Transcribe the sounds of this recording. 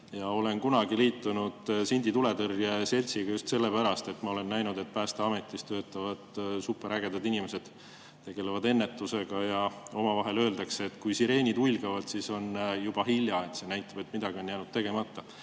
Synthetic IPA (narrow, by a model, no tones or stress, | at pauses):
jɑo̞le̞nkunɑɡiliːt̪ːˑunud̪̥sinʲd̪̥it̪ule̞t̪ɤrjese̞lʲsiɡ̥ɑjust̪se̞lːe̞pæɾɑst̪e̞t̪ːmɑo̞le̞nːæjnud̪e̞t̪̚pæːst̪eɑme̞t̪ːˑist̪øːt̪ːˑɑvɑd̪̥supːeɾæɡ̥e̞d̪̥ɑd̪inimese̞d̪̥ | t̪ːe̞ɡ̥e̞levɑd̪e̞nːe̞t̪ːˑuse̞ɡ̥ɑjɑo̞mɑvɑɦe̞lø̞ːld̪̥ɑkseːt̪kujsiɾe̞ːnʲid̪ujlɡ̥ɑvɑd̪̥siso̞njub̥ɑɦilʲjɑe̞t̪se̞næjt̪ːˑɑb̥e̞t̪ːmid̪̥ɑɡ̥io̞njæːnud̥̪̚t̪e̞ɡ̥e̞mɑt̪ːˑɑ